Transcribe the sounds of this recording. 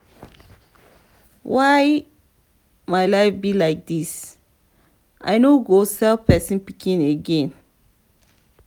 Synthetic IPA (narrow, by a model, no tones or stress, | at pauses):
waɪ | majlaɪfbilaɪk̚dis | ʔa̰ɪnoɡosɛlpɛsĩnpikʰĩneɡẽn